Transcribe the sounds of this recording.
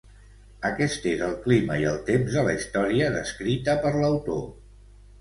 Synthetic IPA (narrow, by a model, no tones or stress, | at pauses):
əkɛst̪ezəlˠklimə̰iəlˠt̪emzðələist̪ɔɾiəðəskɾit̪əpəɾləwt̪o̰